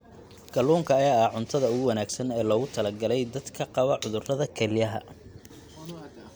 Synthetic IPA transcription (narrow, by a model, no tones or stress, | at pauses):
ɡ̥ɐluːŋkʰɐːjaːɐhʕʊnt̪ʰɐðɐʊɣʊwɐnaːɡsɐnɛːlɔːɣʊt̪ʰɐlɐɡɐlɛjd̪ɐd̪kʰɐqɑβɐʕʊðʊrɐðɐkʰɛlɪjɐɦɐ̰